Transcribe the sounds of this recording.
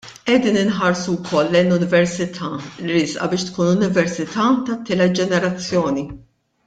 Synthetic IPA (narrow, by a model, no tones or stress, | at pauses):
ʔɛd̪iːnɪnħɐɾsuwkʰɔlːɛjnːʊnɪvɛɾsɪt̪ʰɐːliɾɪsʔɐ̰bɪːʃt̪kuːnʊnɪvɛɾsɪt̪ɐːt̪ɐt̪ːɪːlɛt̪̚d͡ʒɛnɛɾɐt͡sːjɔːni